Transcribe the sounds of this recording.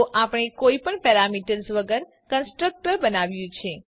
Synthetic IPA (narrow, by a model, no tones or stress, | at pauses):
ʔapəɳ̃ekoipəɳpɛɾamiʈəɾzʋəɡəɾ | kənsʈɾək̚ʈəɾbənaʋjũt͡ʃʰe